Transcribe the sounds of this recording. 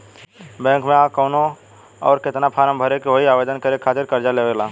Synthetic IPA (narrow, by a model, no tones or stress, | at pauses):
bɛ̃ŋkmẽakɔʊno | ɔ̰ːɾkɪt̪napʰaːɾəmbʱəɾekeɦoiaːbed̪ənkəɾekʰaːt̪ɪɾkəɾd͡ʒalebeɡla